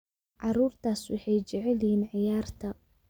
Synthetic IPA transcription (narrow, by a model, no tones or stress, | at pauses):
ʕɑɾuːrt̪ʰaːswɑħɑjt͡ʃɛʕɛlhiːnʕɪjaːrt̪ʰɐ